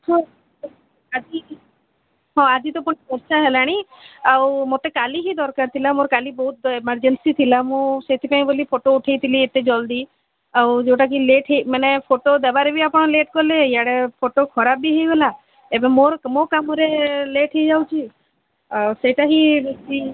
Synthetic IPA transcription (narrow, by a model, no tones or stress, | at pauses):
ɔ | ad͡ʒi | ɦɔ̃ad͡ʒit̪ɔpɔɽ̃ibɔɾt͡ʃaɦelaɽ̃iawmot̪ekaliɦid̪ɔɾkaɾt̪ʰilamoɾkalibɔɦut̪̚eməɾd͡ʒensit̪ʰilamũset̪ʰipaĩbolipʰoʈouʈʰejt̪ʰiliet̪ed͡ʒɔld̪i | awd͡ʒewʈak̬ileʈʰɦemanepʰoʈod̪ebaɾebʱiapɔɽ̃ɔleʈɡɔlejaɽepʰoʈokʰɔɾapbiɦejɡɔla | ebemoɾmokamɔɾeleʈʰejd͡ʒawt͡ʃʰi | aseʈaɦibek̚t̪i